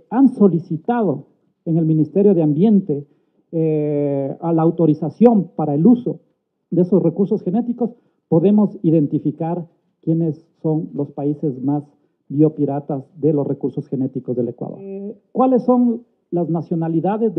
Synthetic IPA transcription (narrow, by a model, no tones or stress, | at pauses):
anso̞lisit̪aðo̞ | eŋe̞lmĩnist̪e̞ɾjo̞ðeambje̞nt̪e̞ | alaːwt̪o̞ɾisasjo̞mpaɾaeluso̞ | ðeeso̞sre̞kuɾso̞sxe̞ne̞t̪iko̞s | po̞ðe̞mo̞siðe̞nt̪ifikaɾ | kje̞ne̞sːo̞nlo̞spaise̞zmas | bio̞piɾat̪azðe̞losre̞kuɾso̞sxe̞ne̞t̪iko̞zðe̞le̞̰kwa̰ðoɾkwale̞sːo̞ŋ | laznasjo̞naliðaðe̞z